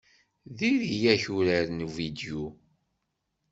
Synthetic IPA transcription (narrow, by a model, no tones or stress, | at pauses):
ðiɾijæçuɾaɾnuvid̪ju